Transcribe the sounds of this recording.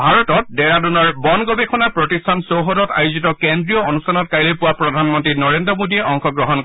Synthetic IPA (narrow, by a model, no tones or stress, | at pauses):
bʱaɹɔtɔt̚dɛɹadunɔɹbɔnɡɔbekʰɔnapɹɔtistʰansowɦɔdɔta̰juzitɔkendɹijɔonustʰanɔt̚kajlejpuwapɹɔdʱanmɔntɹinɔɹendɹɔmodiɛʔɔŋkɔɡɹɔɦɔnk